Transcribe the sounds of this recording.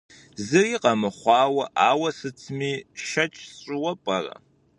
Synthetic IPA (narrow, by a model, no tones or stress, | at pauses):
zɨriːqɐmɨχʷɑːwɐʔaːwɐsɨt͡sʰmiːʃɐt͡ʃʼsɕʷʼɪwɐpʼɐrɐ̰